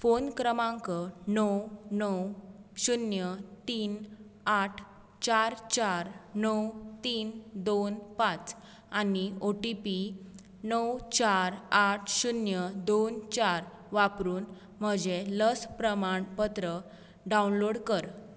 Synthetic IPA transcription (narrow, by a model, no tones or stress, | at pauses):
fonkɾəmãŋkənɔwnɔwɕunjət̪iːnaʈʰ | t͡ɕaɾt͡ɕaɾnəwt̪iːnd̪onpãt͡s | anioʈipi | nəwt͡ɕaɾaʈʰɕunjəd̪ont͡ɕaɾ | ʋapɾuːn | m̤əd͡ʑeləspɾəmaɳpət̪ɾə | ɖaunloɽkəɾ